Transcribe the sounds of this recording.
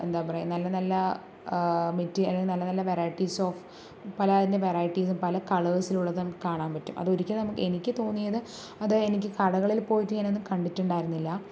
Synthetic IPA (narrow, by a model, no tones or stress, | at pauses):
ḛnd̪aːpɐrɐjumnɐlːɐnɐlːɐ | mitːiɐlːeŋɡnɐlːɐnɐlːɐʋeɾaːjiʈːisoːf | pɐlɐːðinde̞ʋerɐːjiʈːis̬umpɐlɐkɐɭɐsiluɭːɐðɨnɐmkaːɳaːnpɐtːumʔɐ̰ðo̞ɾikʲːɐnɐmukːɨe̞nikʲːɨt̪o̞ːnːijɐðɨ | ɐðɨenikʲːɨkɐɽɐɣɐɭilpo̞ːjitːɨɲaːnonːumkɐɳɖitːuɳɖaːjiɾunːilːɐ